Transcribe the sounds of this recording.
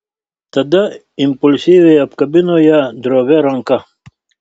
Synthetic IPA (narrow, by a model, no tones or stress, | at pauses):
t̪ɐd̪ɐ | impulsiveɐp̚kɐbinojad̪ɾoːβeɾɐŋka